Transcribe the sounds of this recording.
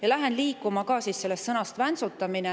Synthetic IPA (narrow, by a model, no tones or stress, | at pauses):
jɑlæɦe̞nliːkːˑumɑkɑːsiːsse̞lːest̪sɤnɑst̪vænsut̪ːˑɑmine